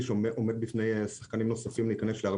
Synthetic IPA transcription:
ʃeoeʔomed̚bifnejsḁχkanimno̞safimliːkane̞sleaʁ

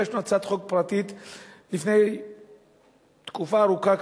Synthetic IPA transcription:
eʃmat͡sat̪χokpʁat̪it̪lifne̞j | t̪kufaːʁukak

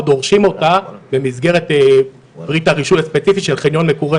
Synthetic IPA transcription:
d̪o̞ʁʃimo̞tabe̞mizɡe̞ʁete | b̥ʁitaʁiʃujaspet͡sifiʃelχinjo̞nmekuʁe

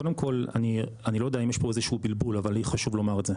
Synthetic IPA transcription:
kodemkʰo̞la̰nianilojod̪eaimjeʃpo̞ezeʃubilbulavalijχaʃuvlo̞maʁetze

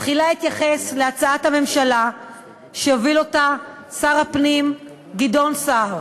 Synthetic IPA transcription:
tχilahit̪jaχe̞sleat͡saathame̞mʃala | ʃeovilo̞ta | saʁapnim | ɡido̞nsaʁ

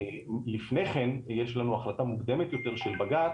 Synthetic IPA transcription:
lifne̞jχe̞njeʃlanuaχlat̪amuɡd̪e̞met̪jo̞t̪e̞ʁʃelbaɡat̪

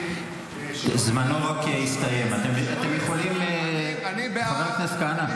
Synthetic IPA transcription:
zmanoʁakeist̪aje̞mat̪emat̪emjeχolimenavat̪naskana

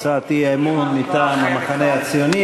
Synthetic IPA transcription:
t͡saːt̪iemunːit̪aːmamaχaneat͡sioni

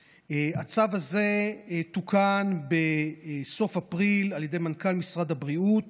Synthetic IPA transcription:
at͡savaze̞tukanbeso̞fapʁilaljedejmankalmisʁadabʁiut

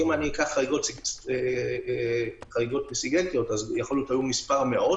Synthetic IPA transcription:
imanikaχːaʁiɡo̞tsie | χaʁiɡo̞t̚besiɡent̪ijo̞tazjaχolot̪ajumispaʁmeʔo̞

